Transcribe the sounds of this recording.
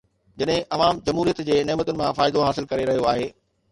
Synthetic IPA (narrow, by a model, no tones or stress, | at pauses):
d͡ʑɐɗɦɪ̃ʔɐʋaːmd͡ʑɐmɦuːɾijət̪d͡ʑeːneːmət̪ʊnɪ̆mãfaːɪd̪oɦaːsɪlkɐɾeɾɐɦijoaːɦeː